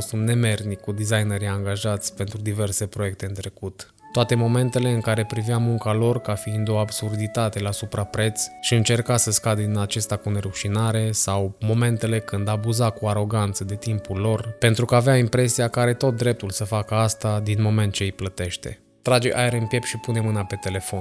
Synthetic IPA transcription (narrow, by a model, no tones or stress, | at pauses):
stunne̞me̞rnikud̪izajneɾiaŋɡaʒat̪sʲpe̞nt̪ɾud̪ive̞rse̞pɾo̞je̞k̚t̪eɨnt̪ɾe̞kut̪ː | oat̪e̞mo̞me̞nt̪e̞le̞ɨŋkaɾe̞pɾiveamuŋkalo̞rkafiind̪o̞absurd̪it̪at̪e̞lasupɾapɾe̞t̪sʃiɨnt͡ʃe̞rkasəskad̪ed̪inat͡ʃe̞st̪akune̞ɾuʃinaɾe̞sawmo̞me̞nt̪e̞le̞kɨnd̪abuzakuaɾo̞ɡant̪səd̪e̞t̪impulo̞rpe̞nt̪ɾukəaveaimpɾe̞siakəaɾe̞t̪o̞t̪̚d̪ɾe̞p̚t̪ulsəfakəast̪ad̪inmo̞me̞nt̪̚t͡ʃe̞iplət̪e̞ʃt̪e̞̰ | t̪ɾad͡ʒeʔaeɾɨmpje̞pʃipune̞mɨnape̞t̪e̞le̞fo̞n